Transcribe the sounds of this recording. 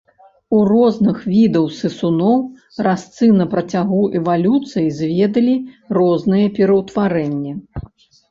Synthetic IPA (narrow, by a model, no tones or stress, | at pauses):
urɔznɨxvʲid̪ɐwsɨsunɔw | rast̪sɨnɐpɾɐt͡sʲaɣuɛvalʲut̪sɨjizʲvʲɛd̪ɐlʲirɔznɨjɐpʲɛɾɐwt̪vaɾɛnʲːɛ